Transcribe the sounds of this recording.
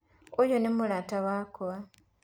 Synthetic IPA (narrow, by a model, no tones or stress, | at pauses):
ojonemulataβaːkoβa